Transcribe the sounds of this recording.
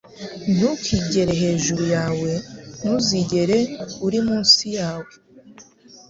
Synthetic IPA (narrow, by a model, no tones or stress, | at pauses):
n̥ukiɟe̞ɾeɦe̞ːʒuɾujaːwe̞nuziɟe̞ɾeuɾimuːnsijaːwe